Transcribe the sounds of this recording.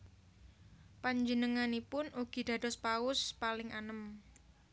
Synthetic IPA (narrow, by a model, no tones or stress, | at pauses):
paɲd͡ʒənəŋanipʊnuɡ̥i̤d̪̥a̤d̥ɔspaʊspalɪŋʔanəm